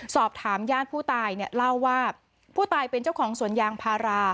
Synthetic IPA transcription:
sɔː˨˩p̚t̪ʰaː˩˦mjaː˥˩npʰuː˥˩t̪aː˧jni˥˩əla˥˩wːaː˥˩ | pʰuː˥˩t̪aː˧jpe˧nt͡ɕa˥˩wkʰɔː˩˦ŋsu˩˦ənjaː˧ŋpʰaː˧ɾaː˧

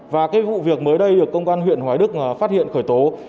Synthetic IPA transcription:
vaː˨˩kaː˨˦jvṵ˧˨vi˨˩ək̚məː˨˦jɗə˧jɗɨ˨˩əkːə˧wŋ͡mʔaː˧nɦwḭ˧˨ənɦwaː˨˦jɗɨ˦˥k̚ːfaː˦˥t̚hḭ˧˨ənxəː˧˩jt̪o˨˦

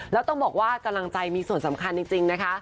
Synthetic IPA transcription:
lɛː˦˥wt̪ɔ˥˩ŋbɔː˨˩k̚waː˥˩ka˧mla˧ŋt͡ɕa˧jmiː˧su˨˩ənsa˩˦mkʰa˧nt͡ɕi˧ŋt͡ɕi˧ŋna˦˥kʰa˦˥

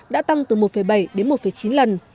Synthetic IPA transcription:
ɗa̰ː˧˥t̪a˧ŋt̪ɨ˨˩mo˨˩t̚fə˨˩jɓa˧˩jɗe˨˦nmo˨˩t̚fə˨˩jt͡ɕi˨˦nlə˨˩n

